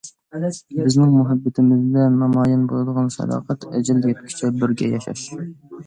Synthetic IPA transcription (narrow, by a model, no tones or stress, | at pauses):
bɪznɪŋmuɦɛbːɪt̪ʰɪmɪzd̪ɛnɑmɑːjɛnbolˠɨd̪əʁɑnʃɛ̰d̪ɑ̰ːqʰæt̪ɛd͡ʒɛljʲɛt̪kʲʰi̥t͡ʃʰɛbɪɾɡʲɛjɑʃɑ̰ʃ